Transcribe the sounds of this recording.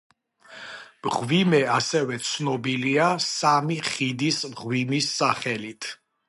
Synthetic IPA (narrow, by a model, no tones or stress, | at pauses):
mʁvimɛasɛvɛt̪sʰnɔbiliasamiχid̪ismʁwimisːaχɛlit̪ʰ